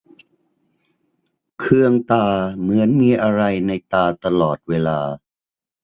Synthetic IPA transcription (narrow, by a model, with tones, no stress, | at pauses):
kʰɯ˧əŋt̪aː˧mɯ˩˦ənmiː˧ʔa˧ɾa˧jna˧jt̪aː˧t̪a˧lɔː˨˩t̪̚weː˧laː˧